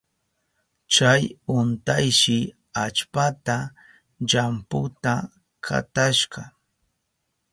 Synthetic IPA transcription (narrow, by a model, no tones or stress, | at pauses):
t͡ʃajʊnt̪ajʃɪ | at͡ʃpat̪a | ʎampʊt̪a | kʰa̰t̪aʃqɑ